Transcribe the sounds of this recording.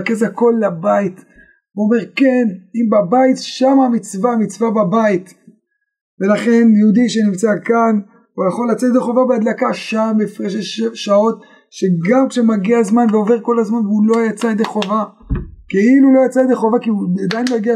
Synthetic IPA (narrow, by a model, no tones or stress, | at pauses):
kezako̞lːabait | veome̞ʁke̞nimbabaitʃamamit͡svamit͡svababait̪ | ve̞laχe̞njeud̪iʃenimt͡sakan | ujaχo̞lːat͡set̪ed̪eχo̞vabead̪lakaʃambifʁeʃeʃao̞t̚ | ʃe̞ɡamkʃemaɡiazmanveo̞ve̞ʁko̞lazmanveulo̞jat͡saed̪eχo̞va | ke̞ilulo̞jat͡saed̪eχo̞vakiuad̪ajnlojaɡia